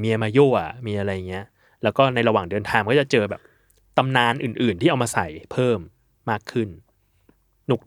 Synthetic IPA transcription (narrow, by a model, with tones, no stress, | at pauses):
miː˧ʔa˧maː˧joː˥˩a̰˨˩miː˧ʔa˧ɾa˧jːa˨˩ŋi˦˥ɐ | lɛː˦˥wkɔː˥˩na˧jɾa˧waː˨˩ŋdɯ˧nt̪ʰaː˧mkɔː˥˩t͡ɕa˨˩t͡ɕɤː˧bɛː˨˩p̚ | t̪a˧mnaː˧nʔɯː˨˩nʔɯː˨˩nt̪iː˥˩ʔwmaː˧sa˨˩˦jpʰɤː˥˩mː | aː˥˩kʰːɯ˥˩n | nu˨˩k̚